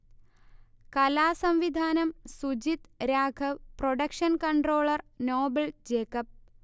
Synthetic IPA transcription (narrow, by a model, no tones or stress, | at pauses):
kɐlaːsɐmʋid̪ʱaːnɐmsud͡ʑit̪ɾaːɡʰʱɐʋproɖɐkʂɐnkɐɳɖroːɭɐrnoːbɐld͡ʑeːkɐp̚